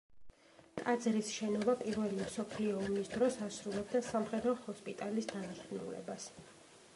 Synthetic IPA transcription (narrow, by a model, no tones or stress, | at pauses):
t̪ʼad̪zɾisʃɛnɔbapʼiɾvɛlimsɔpʰliɔːmisd̪ɾɔsasɾulɛbd̪asamχɛd̪ɾɔhɔspʼit̪ʼalisd̪anasnṵlɛ̰bas